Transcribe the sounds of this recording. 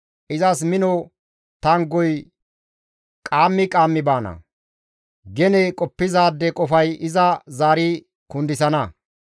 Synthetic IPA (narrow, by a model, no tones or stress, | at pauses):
ʔɪzɐsmɪnɔ | t̪ɐŋɡɔj | kʼaːmːɪkʼaːmːɪbaːnɐ̰ | ɡɛnɛkʼɔpːɪzaːd̪ːɛkʼɔfɐjɪzɐzaːɾi | kʊnd̪ɪsɐnɐ